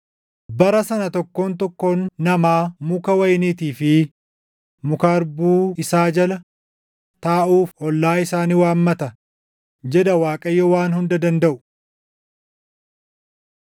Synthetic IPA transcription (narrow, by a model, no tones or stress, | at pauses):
bɐɾɐsɐnɐt̪ɔkːo̞ːnt̪ɔkːo̞ːnːɐmaːmʊkɐwɐjniːt̪iːfɪ | mʊkaːɾbuːɪsaːd͡ʒɐlɐ | t̪aːʔuːfʔɔlːaːɪsaːniːwaːmːɐt̪ɐ | d͡ʒɛd̪ɐwaːkʼɐjːɔwaːnhʊnd̪ɐd̪ɐnd̪ɐʔʊ̥